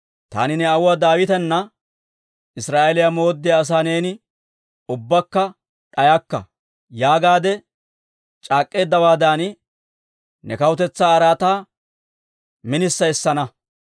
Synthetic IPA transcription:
t̪a̰ːnɪnɛɐwʊad̪aːwɪt̪ɛnːɐ | ɪsɾaːʔelɪjamo̞ːd̪ːɪjaːs̬aːne̞ːnɪ | ʊbːɐkːɐ | ᶑɐjɐkːɐ̰ | jaːɡaːd̪ɛ | t͡ʃʼaːkʼːe̞ːd̪ːɐwaːd̪aːn | nɛkɐwʊt̪ɛt͡sːaːɾaːt̪aː | mɪnɪsːɐjsːɐnɐ

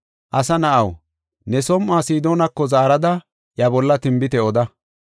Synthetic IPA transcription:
ʔɐsɐnɐʔɐw | nɛsɔmʔːaːsiːd̪oːnɐkːɔzaːɾɐd̪ɐ | jɐbɔlːɐt̪ɪmbɪt̪ɛɔd̪ɐ

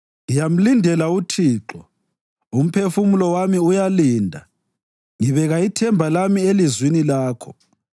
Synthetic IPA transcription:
ijam̩lindʱɛlautʰiːǁɔ | um̩pʰefumulɔwamiujaliːndʱa̰ | ŋiβɛɣaitʰɛmbʱalamielizwinilaːkʰɔ

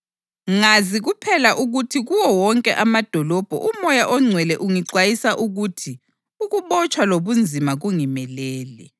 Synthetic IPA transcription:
ŋaziɣupʰɛlaʔuɣutʰiɣuwɔwɔŋkʼɛʔamad̥ʱɔlɔb̥ʱɔ̰ʔumɔjaʔɔŋ͡ǀʱwɛlɛʔuŋiǀwajisaʔuɣutʰi | uɣuβɔt͡ʃʰʼwaloβund͡zʱimaɣuŋimɛlɛːlɛ

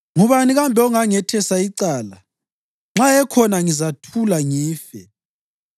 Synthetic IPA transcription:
ŋuβaniɣambʱɛɔŋaŋɛtʰɛsaiǀaːla | ŋ͡ǁaɛkʰɔnaŋizatʰulaŋiːfɛ̰

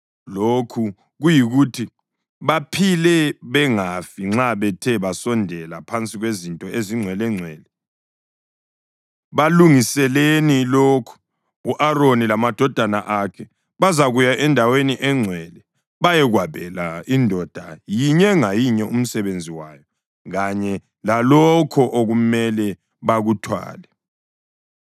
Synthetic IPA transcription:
lokʰu | ɣujiɣutʰi | βapʰilɛβɛŋafiŋ͡ǁaβɛtʰɛβasɔndʱɛlapʰant͡sʼiɣwezintʼɔeziŋ͡ǀʱwɛlɛŋ͡ǀʱwɛːlɛ | βaluŋisɛlenilokʰu̥ | uʔaɾonilamad̥ʱɔd̥ʱanaʔakʰɛ | βazaɣujaʔɛndʱaweniʔɛŋ͡ǀʱwɛːlɛ | βajɛɣwaβɛlaindʱɔd̥ʱajiɲɛŋajiɲɛʔum̩sɛβend͡zʱiwaːjɔ | ɣaɲɛ | lalɔkʰɔʔoɣumɛlɛ | βaɣutʰwa̰ːlɛ

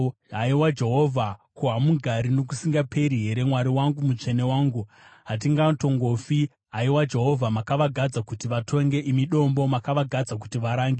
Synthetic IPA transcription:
ɦaiwad͡ʒe̞ɦo̞vʱakuɦamuɡʱaɾino̞k̬usiŋɡapʰe̞ɾiɦe̞ɾe̞mwaɾiwaŋɡumut͡ʂe̞ne̞waːŋɡu | ɦat̬iŋɡato̞ŋɡofi | ɦaiwad͡ʒe̞ɦo̞vʱamakaʋaɡʱad͡zakutiʋatʰo̞ŋɡe̞ʔimiɗo̞mbo̞makaʋaɡʱad͡zak̬utiʋaɾaːŋɡe

